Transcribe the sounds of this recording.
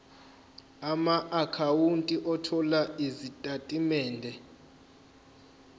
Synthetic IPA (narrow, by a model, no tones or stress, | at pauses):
amaʔakʰawuntʼiʔɔtʰɔlaizitʼatʼimɛːndʱɛ